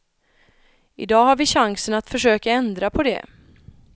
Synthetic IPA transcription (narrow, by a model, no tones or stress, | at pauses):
ɪd̪ɑːɦaɾvɪɕaŋsənat̪fœʂøːkaɛnd̪ɾapʰɔd̪ɛ̰